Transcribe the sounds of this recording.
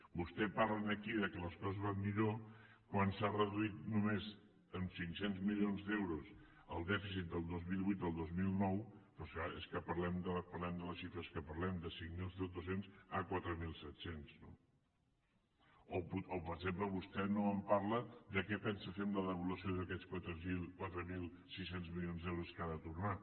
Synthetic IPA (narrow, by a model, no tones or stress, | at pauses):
bust̪ɛpaɾlənəkiðəkələskɔzəzβanmiʎo | kwansarəðuit̪̚numez | ənsiŋksenzmilionzd̪ewɾus | əlˠd̪ɛfis̬it̪̚d̪əlˠd̪ozmilˠβit̪əlˠd̪ozmilˠnɔwpɾɔskaeskəpəɾlɛmd̪ələpəɾlɛmd̪ələʃifɾəskəpəɾlɛmd̪əsiŋmilˠsd̪osenzakwat̪ɾəmilˠsɛt̪senz̥no̰ | ouopəɾəɡzempləβust̪ɛnoəmpaɾləd̪əkɛpɛnsəfemləðəβulusioðəkɛt͡skwat̪ɾəilˠkwat̪ɾəmilˠ | sisenzmilionzðɛwɾuskaðət̪urna